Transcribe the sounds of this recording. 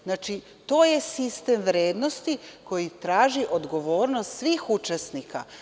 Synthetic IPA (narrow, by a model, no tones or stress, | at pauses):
znaːt͡ʃi | t̪o̞ːje̞sist̪emʋɾeːd̪nost̪iko̞jit̪ɾaːʒiʔo̞d̪ɡo̞ʋo̞ːɾnost̪sʋiːxut͡ʃesnika